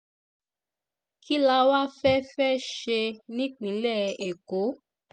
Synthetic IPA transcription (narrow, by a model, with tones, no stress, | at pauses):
ki˦la˧˦wa˦fɛ˦fɛ˦ʃe˧nĩ˦k͡pĩ˨˦lɛ˦˨e˨ko˨˦